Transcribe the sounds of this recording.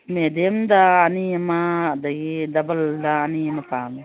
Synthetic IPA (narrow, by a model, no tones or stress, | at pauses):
med̪emd̪aːnijɐmad̪ɐɡid̪ɐbɐld̪aɐnijɐmɐpaːm